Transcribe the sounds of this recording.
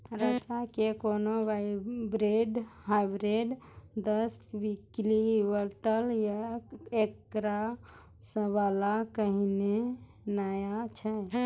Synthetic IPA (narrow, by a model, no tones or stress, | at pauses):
ɾət͡ʃakekonoʋajbɾeɖɦajbɾeɖ | d̪əsbikliʋəɾʈəljaekɾa | səbalakəɦine | najat͡ʃʰɛ